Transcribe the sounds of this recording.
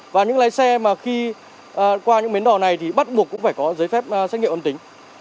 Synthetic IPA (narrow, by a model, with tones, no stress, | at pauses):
vaː˨˩ɲɨ̰˧˥ŋlaː˨˦jsɛ˧maː˨˩xi˧ | ʔːkwaː˧ɲɨ̰˧˥ŋmi˨˦ənɗɔ˨˩na˨˩jt̪ʰi˨˩ɓa˦˥t̚ɓu˨˩əkːʊ̰˧˥ŋ͡mfaː˧˩jkɔ˨˦zəː˨˦jfɛ˦˥p̚ːsɛ˦˥t̚ŋ˧˨ʔə˧t̪ï˨˦ŋ̟